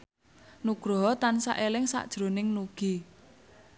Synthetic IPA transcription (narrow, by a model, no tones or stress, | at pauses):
nuɡ̥ɾoɦɔt̪ansa̰ʔelɪŋsa̰ʔd̥ʒ̥ɾo̤nɪŋnuɡ̥i